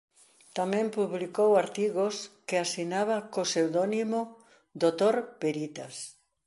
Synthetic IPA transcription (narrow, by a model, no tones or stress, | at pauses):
t̪amɛ̃mpuβlikowaɾt̪iɣoskeasinaβakosewðɔnimo | d̪ot̪oɾpeɾit̪as